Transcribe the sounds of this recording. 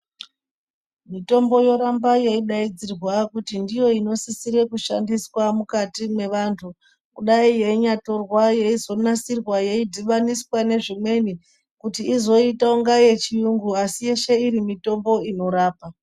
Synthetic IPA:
mito̞mbo̞jo̞ɾambaje̞iɗaid͡zirwakutindijo̞ino̞sisiɾe̞kuʃandiswamukatimwe̞ʋaːntʰu | kuɗaije̞iɲato̞rwaje̞izo̞nasirwaje̞idʱiʋaniswane̞ʐimwe̞ni | kutiːzo̞itaoŋɡaje̞t͡ʃijuŋɡuasije̞ʃe̞iɾimito̞mbo̞ino̞ɾaːpa

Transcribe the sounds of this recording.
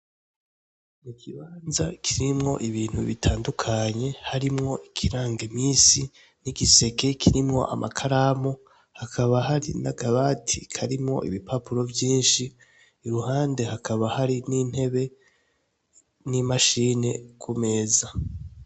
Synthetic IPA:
mukʰiβaːnzakʰiɾimŋo̞̰ʔiβiːn̥huβitʰaːndukʰaɲe̞haɾimŋo̞ʔikʰiɾaːŋɡemiːsi | niɡise̞ke̞kʰiɾimŋo̞̰ʔa̰mʔa̰kʰaɾamo | hakʰaβaɦaɾinaɡaβatʰikʰaɾimŋo̞̰ʔḭβipʰapuɾo̞vjiːnʃiː | ɾuhaːnde̞hakʰaβahaɾiniːn̥he̞βe̞ | nimaʃiːne̞kume̞ːza

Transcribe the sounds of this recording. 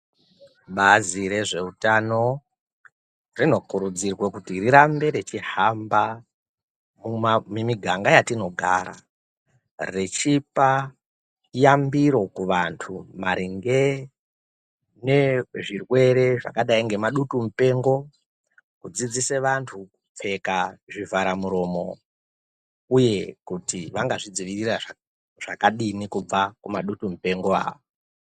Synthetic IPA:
ɓaziɾe̞ʐe̞utano̞ | rino̞kuɾud͡zirwe̞kutiriɾambe̞ɾet͡ʃihamba | mumimiɡʱaŋɡajatino̞ɡʱa̰ɾa̰ | ret͡ʃipa | jambiɾo̞kuʋantʰumaɾiŋɡe | ne̞ʐirwe̞ɾe̞ʐa̰kaɗaiŋɡe̞maɗutum̩pe̞ŋɡo̞ | kud͡zid͡ziseʋantʰuup͡fe̞kaʐivaɾamuɾo̞mo̞ | uje̞kutiʋaŋɡaʐid͡ziʋirira | ʐ̥akaɗinikub͡vakumaɗutum̩pe̞ŋɡoa̰ːʋo

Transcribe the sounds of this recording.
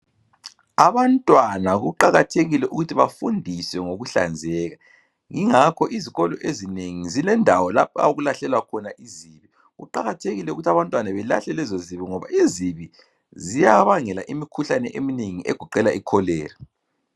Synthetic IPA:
aβantʼwanaɣuǃaɣatʰeɣilɛʔuɣutʰiβafundʱiswɛŋoɣuɬa̰nd͡zʱɛːɣa | ŋiŋakʰɔʔiziɣɔlɔʔezineŋizilɛndʱawɔlap̚ʰa̰ɣulaɬɛlwakʰɔnaʔiziβi | ɣṵǃaɣatʰeɣilɛuɣutʰaβantʼwanaβɛla̰ɬɛlɛzoziβiŋɔβa̰ʔiziβi | zijaβaŋɛlaʔimikʰuɬanɛʔemineŋiʔɛɡ̥ʱɔǃɛlaikʰɔlɛːri

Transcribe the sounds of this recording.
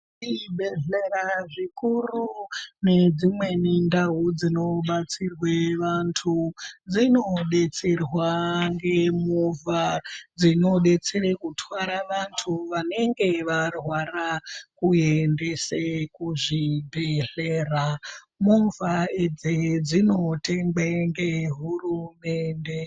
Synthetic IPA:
ibʱeɮeraʐikurune̞d͡zimwe̞nindaud͡zino̞ɓat͡sirweʋantʰud͡zino̞ɗe̞t͡serwaŋɡe̞muvʱad͡zino̞ɗe̞t͡serekutʰwaɾaʋantʰuʋane̞ŋɡe̞ʋarwarakuende̞sekuʐibʱeɮ̥era | muɱvaed͡zed͡zino̞te̞ŋɡ͡beŋɡeɦurume̞ːnde̞

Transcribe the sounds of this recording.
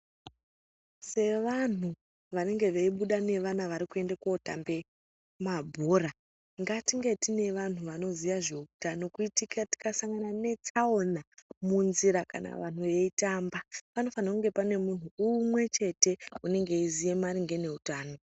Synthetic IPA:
se̞ʋan̤u | ʋane̞ŋɡe̞ʋeiɓuɗane̞ʋanaʋaɾikue̞ndekaota̰mbe̞ | mabʱoɾa | ŋɡatiŋɡe̞tine̞ʋan̤uʋano̞zijaʐe̞utano̞kuitikati̥kasaŋɡanane̞t͡sao̞namunziɾaka̰na̰ʋan̤uʋe̞itaːmbapano̞fanakuŋɡepane̞mun̤uumwe̞t͡ʃe̞te̞une̞ŋɡe̞izije̞maɾiŋɡe̞ne̞utaːno̞

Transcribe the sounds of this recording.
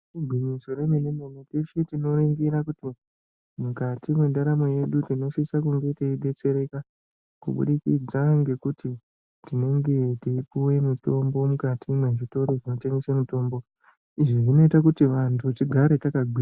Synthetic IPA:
uɡʱwiɲisoɾemenememetesitino̞ɾeŋɡeɾakuti | mukatimwe̞ndaɾamoje̞ɗutino̞sisakuŋɡe̞teiɗe̞t͡se̞ɾe̞ka | kṵɓṵɗikḭd͡zaŋɡe̞kuti | tine̞ŋɡe̞tiipuwe̞muto̞mbo̞mukatʰimweʐito̞ɾoʐino̞teŋɡesemuto̞ːmbo̞ | iʐiʐino̞itakutiʋantʰut͡ʃiɡʱaɾe̞takaɡʱia

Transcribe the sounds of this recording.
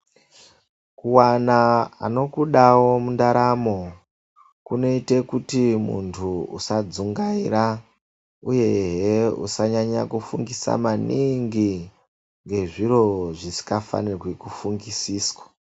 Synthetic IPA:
kuwanaano̞kuɗawo̞mundaɾamo̞ | kuno̞ite̞kutimṵntʰuusad͡zuŋɡaira | uje̞ɦeṵsaɲaɲakufuŋɡisa̰maniŋɡi | ŋɡe̞ʐiro̞ʐisi̥kafa̰nirwekufuŋɡisiːswḁ

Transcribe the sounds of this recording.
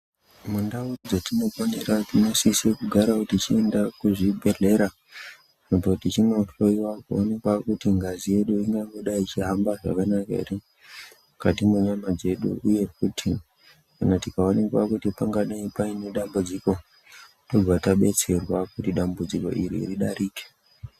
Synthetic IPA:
mundaud͡zotino̞fane̞ɾatino̞sisekuɡʱaɾakutit͡ʃie̞ndakuʐibʱe̞ɮe̞ɾa | nepotit͡ʃino̞ɬo̞iwakuonekwakutiŋɡazije̞ɗuiŋɡaŋɡoɗait͡ʃiɦambaʐa̰kanakaḛri | mukatimuɲamad͡ze̞ɗṵuje̞k̚utʰi | kanatikaonekwa̰kutipaŋɡaɗaipaine̞ɗambud͡ziko̞ | to̞b͡vʱataɓe̞t͡se̞rwakutiɗambud͡ziko̞̰ʔḭɾḭːriɗaɾiːke̥

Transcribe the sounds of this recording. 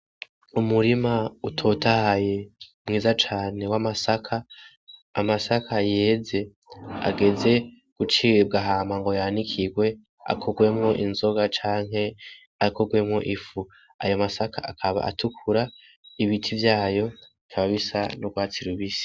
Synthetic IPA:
umuɾimautʰo̞tʰahaje̞ | mŋiːzat͡ʃaːne̞wamasakʰa | masakʰajeːze̞ | a̰ɡe̞ze̞ | ɡ̥ut͡ʃib̚ɡaɦaːmaŋɡo̞jaːnikʰiɡwe̞ | a̰kʰoɡwe̞mŋo̞ʔinzo̞ɡat͡ʃaːŋɦe̞ | akʰoɡwe̞mŋo̞ʔifu | a̰jo̞masakʰa̰ʔakʰaβa̰ʔa̰tʰukʰuɾa | iβitʰivjaːjo̞ikʰaβaβisanoɡwaːt͡siɾuβisi̥

